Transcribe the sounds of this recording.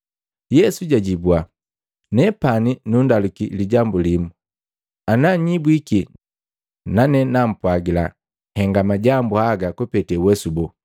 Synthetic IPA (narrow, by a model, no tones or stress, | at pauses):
jɛsuɟaɟibwa | nɛpaninundalukiliɟambulimu | anaɲibwiki | nanɛnam̩pwaɡila̰ | hɛŋɡamaɟambuhaɡakɔpɛtɛwɛsubɔ